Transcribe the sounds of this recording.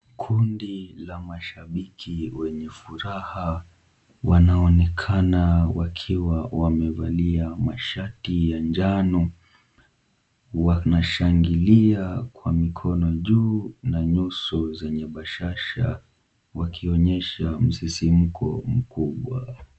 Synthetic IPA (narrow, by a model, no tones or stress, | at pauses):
kʰundilamaʃaɓikʰiwɛɲɛfuɾaha | wanaɔnɛkʰanawakʰiwawamɛvaliamaʃatijand͡ʒanu | wanaʃaŋɡiliakwamikʰɔnɔʄuːnaɲusɔzɛɲɛɓaʃaʃa̰ | wakʰiɔɲɛʃam̩sisim̩kʰɔ̰m̩kʰuɓwa